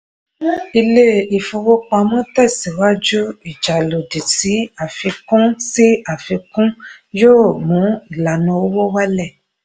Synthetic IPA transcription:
i˧le˦i˨fu˧wo˦k͡pã˧mũ˦tɛ˦˨si˨wa˦d͡ʒu˦i˦˨d͡ʒa˨lo˨di˨ti˨˦a˨fi˧kũ˦si˦a˦˨fi˧kũ˦joː˦˨mũ˨˦i˦˨la˨nũ˧o˦wo˦wa˦lɛ˦˨

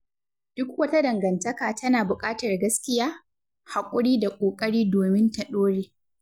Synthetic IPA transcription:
d̥ʊ˦kwɐ˦ta˦dɐ˨ŋɡɐ˨ntɐ˦kaː˨tɐ˦naː˨bʊ˨kʼaː˦tɐ˨rɡɐ˦skʲɪ˦jaː˦ | ha˨kʷʼʊ˦ɽiː˦da˨kʷʼoː˨kʼɐ˦ɽiː˦doː˨mɪ˦ntɐ˨ɗoː˦ɽeː˦

